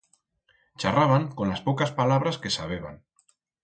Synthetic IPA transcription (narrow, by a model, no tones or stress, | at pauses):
t͡ʃaraβaŋkonlaspokaspalaβ̞ɾaskesaβ̞eβ̞a̰ŋ